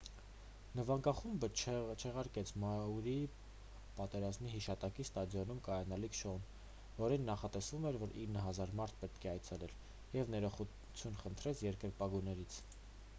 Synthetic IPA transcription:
nəvɑŋkɑχumbət͡ʃʰɛʁɑɾkɛt͡sʰmɑuɾi | pɑt̪ɛɾɑzmiɦiʃɑt̪ɑkist̪ɑd̪jɔnumkɑjɑnɑlikʰʃɔun | vɔɾinːɑχɑt̪ɛsvumɛɾvɔɾinːəɦɑzɑɾmɑɾt̪ʰpɛt̪kʰɛɑjt͡sʰɛlɛl | jɛvnɛɾɔχu | t͡sʰjunχənt̪ʰɾɛt͡sʰjɛɾkəɾpɑɡujnɛɾit͡sʰ

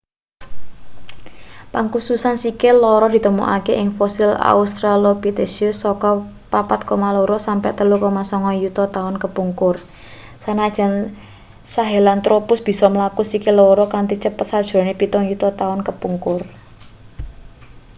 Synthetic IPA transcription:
paŋkususansikɪlɔɾɔd̪̥i̤t̪əmṵʔa̰keʔɪŋfɔsɪla̰ust̪ɾalopit̪esusɔkɔ | papat̪̚komalɔɾɔsampɛ̰ʔt̪əlukɔmasɔŋɔjut̪ɔt̪aʊnkəpuŋkʊr | sanad̥ʒ̥a̤n | saɦelant̪ɾopʊsb̥i̤sɔməlakusikɪlɔɾɔkant̪it͡ʃəpət̪sad̥ʒ̥ɔ̤nepit̪ɔŋjut̪ɔt̪aʊnkəpuŋkʊr

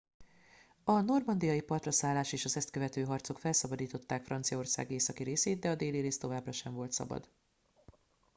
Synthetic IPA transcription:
ɒno̞rmɒnd̪ijɒjipɒrt̪rɒsaːlːaːʃeːʃɒzɛst̪̚køvɛt̪øːɦɒrt̪so̞kfɛlsɒbɒd̪iːt̪o̞t̪ːaːkfrɒnt̪sijɒo̞rsa̰ːɡeːsɒkiɾeːseːd̪̚d̪ɛɒd̪eːliɾeːst̪o̞vaːbrɒʃɛɱvo̞lt̪sɒ̰bɒ̰d̪

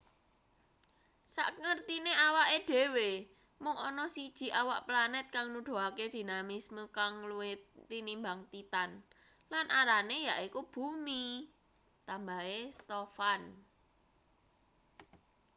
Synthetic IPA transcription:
sa̰ʔŋərt̪ineawaʔeɖ̪̥e̤we | mʊŋɔnɔsid̥ʒ̥i̤ʔawaʔplanɛt̪̚kaŋnuɖ̪̥o̤aked̪̥i̤namisməkaŋluet̪ːinimbaŋt̪it̪an | lanʔaɾanejaʔikub̥umi | t̪ambaɦest̪ɔfan

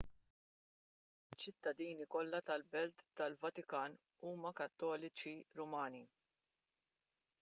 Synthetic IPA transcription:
ɪt͡ʃːɪt̪ːɐd̪iːnikɔlːɐt̪ɐlbɛlt̪ːɐlvɐt̪ɪkɐːn | uːmɐkɐt̪ːɔːlɪt͡ʃiɾʊmɐːni

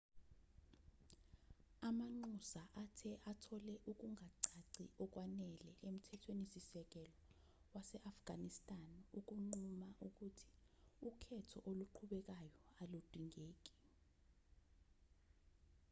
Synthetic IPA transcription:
amaŋ͡ǃusaʔatʰɛʔatʰɔlɛʔuk̬ʼuŋʱaǀaǀiʔɔk̬ʼwanɛlɛʔem̩tʰɛtʰwenisisɛk̬ɛlɔ | wasɛʔafɡ̥ʱanistʼanuk̬ʼuŋ͡ǃumaʔuk̬ʼutʰi̥ukʰɛtʰɔ̰ʔoluǃʰuɓɛk̬ajɔalud̥ʱiŋeːk̬ʼi̥

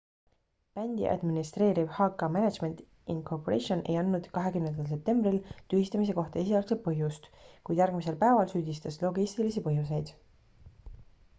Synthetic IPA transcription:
pænʲd̪̥ḭʔɑ̰d̪minist̪re̞ːɾib̥hɑːkːˑɑmened̪ʒme̞nt̪ | inkʰorpoɾḛʃio̞nʔe̞̰jɑnːud̪̥kɑɦe̞kymnend̪ɑls̬e̞p̚t̪e̞mbrilt̪yhist̪ɑmis̬e̞ko̞ht̪ɑes̬iɑːlkset̪̚pɤɦjust̪kujd̥̪jæɾɡmise̞lpæevɑlsyːd̪̥ist̪ɑslo̞ɡist̪ilisipɤɦjus̬e̞jd̪̥

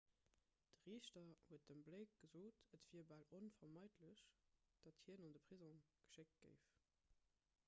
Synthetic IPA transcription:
d̥əʁiːɕtɐhuət̚dəmbləɪk̚ɡ̥əzoːtətv̥iːɐbaːlonfɐmɑɪdləɕd̥ɑthiːənondəpʁ̥izõɡ̥ə̥ʃɪk̚ɡ̥ə̰ɪf

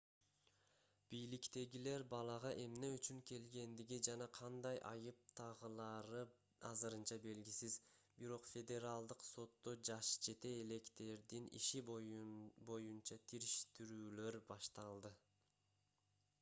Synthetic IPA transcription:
b̥ijlikt̪e̞ɡile̞ɾbɑlˠɑʁɑʔe̞mne̞yt͡ʃyŋke̞lɡe̞nd̪iɡid͡ʒɑnɑqʰɑnd̪ɑjʔɑ̰jɯp̚t̪ʰɑʁɯlˠɑɾɯ | ɑ̰zɯɾɯnt͡ʃɑbe̞lɡisizbiɾo̞qfʲe̞d̪ʲe̞ɾalˠd̪ɯqso̞t̪ːod͡ʒɑʃd͡ʒe̞t̪e̞ːle̞kt̪e̞ɾd̪inḭʃi | bo̞junt͡ʃɑt̪ʰiɾiʃt̪iɾyːløɾbɑʃt̪ɑlˠd̪ɯ

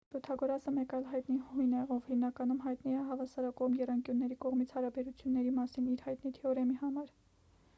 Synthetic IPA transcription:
bɔt̪ʰɑɡɔɾɑsəmɛkɑjlɦɑjt̪nihujnɛɔvhimnɑkɑnumɦɑjt̪niɛɦɑvɑsɑɾɑkɔʁmjɛrɑŋkjunːɛɾikɔʁmit͡sʰhɑɾɑbɛɾut͡sʰjunːɛɾimɑsiniɾhɑjt̪nit̪ʰɛɔɾɛmihɑmɑɾ

